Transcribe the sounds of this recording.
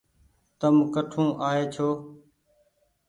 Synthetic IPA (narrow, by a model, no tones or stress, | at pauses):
t̪əmkəʈʰũːʔaːɦeːt͡ʃʰoː